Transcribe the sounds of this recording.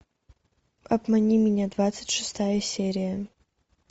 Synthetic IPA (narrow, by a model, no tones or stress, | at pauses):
ɐbmɐnʲimʲɪnʲad̪vat̪sɨ̥tʲʂɨst̪ʰajɐsʲeɾʲijɐ